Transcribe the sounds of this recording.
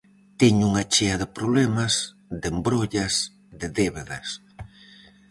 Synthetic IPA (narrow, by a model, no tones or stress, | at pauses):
t̪eɲuŋat͡ʃeɐðɪpɾoβlɛmas | d̪embɾoʎas | ðɪðeβeðɐs